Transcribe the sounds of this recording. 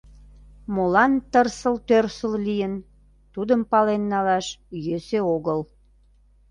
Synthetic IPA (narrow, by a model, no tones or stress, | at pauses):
molɑnt̪ərsəlt̪ørsəllijən | t̪ud̪əmpɑlenːɑlɑʃjøseoɣəl